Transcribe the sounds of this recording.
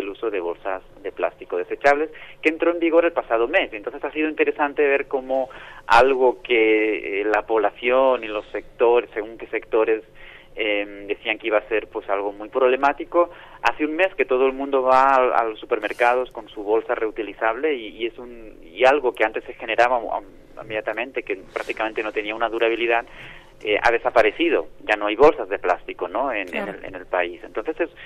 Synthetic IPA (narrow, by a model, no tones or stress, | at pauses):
deluso̞ðe̞β̞o̞̰lsaz | ðe̞pla̰st̪iko̞ð̞e̞set͡ʃaβle̞ske̞ːnt̪ɾo̞embiɣ̞o̞ɾe̞lpasað̞o̞me̞sent̪onsθesasið̞oint̪e̞ɾe̞sant̪e̞β̞eɾko̞moalɣokeelapo̞β̞lasjonilo̞sːe̞k̚t̪o̞ɾesːe̞ɣuŋkese̞kt̪o̞ɾe̞s | emd̪e̞θiaŋkeiβase̞ɾpwesalɣo̞mujpɾo̞β̞le̞mat̪iko | a̰θeuŋme̞ske̞t̪o̞ð̞oelmũnd̪o̞βaa̰losːupeɾme̞ɾkað̞o̞sko̞nsuβ̞o̞lsare̞ut̪iliθaβ̞le̞iːesun | ialɣo̞ke̞ant̪e̞sːexe̞ne̞ɾaβa̰ | ḭmeðjat̪amẽ̞nt̪ekepɾak̚t̪ikament̪e̞no̞t̪e̞niaunaðuɾaβiliðað | eʔa̰ðe̞sapaɾe̞θið̞o̞ɟ͡ʝano̞ajβo̞lsazðe̞plast̪ikonoenḛneḛnelpaisent̪o̞nθe̞ses